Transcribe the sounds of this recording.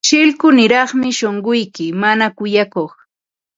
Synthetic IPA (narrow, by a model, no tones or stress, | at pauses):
ʃɪlkʊnɪɾɑχmɪʃoɴɢʊjkɪmanakʊjakoχ